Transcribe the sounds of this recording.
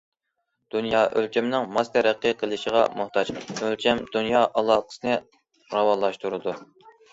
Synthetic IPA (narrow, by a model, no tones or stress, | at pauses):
d̪̥unjɑːʔølt͡ʃʰɛmnɪŋmɑst̪ʰɛɾæqʰːəqʰəlˠɨʃəʁɑ̰muχt̪ʰɑd͡ʒølt͡ʃʰɛmd̪unjɑːʔɑlˠɑːqʰə̥sɨnɨ | ʁɑwɑnlˠɑʃt̪uɾɨd̪u